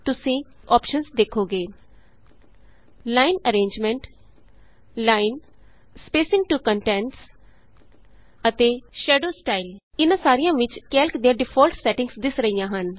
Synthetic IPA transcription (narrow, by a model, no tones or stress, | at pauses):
t̪ʊsĩː | ɔːpʃənzd̪eːkʰoːɡeː | laːinəɾẽːɲd͡ʒmɛ̃ɳʈ | laːin | speːsɪ̃ŋ̚ʈuːkə̃ɳʈɛːɳʈs | ət̪eːʃɛːɖoːsʈaːilɪnãːsaːɾijãːʋɪt͡ʃkɛːlkd̪iːãːɖɪpʰɔːlʈsɛːʈɪ̃ŋsd̪ɪsɾəijãːɦən